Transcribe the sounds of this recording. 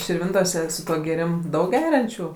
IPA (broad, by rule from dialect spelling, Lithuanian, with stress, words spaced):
ʃʲɪrʲˈʋʲɪntoːsʲɛ sʊ ˈtuɔ ɡʲeːˈrʲɪm ˈdɐʊk ˈɡʲæːrʲɛnʲt͡ʃʲuː